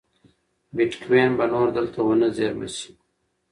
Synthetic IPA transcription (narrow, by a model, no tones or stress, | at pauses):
biʈkweːnbɐnoːɾd̪əlt̪ʰɐwɐnɐzeːɾmɐ̰ɕi̥